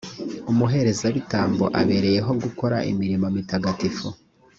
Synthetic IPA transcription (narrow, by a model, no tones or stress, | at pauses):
umuɦe̞ɾe̞zaβitaːmboʔaβe̞ɾe̞je̞ɦo̞ɡuko̞ɾa̰ʔḭmiɾimomitaɡatifo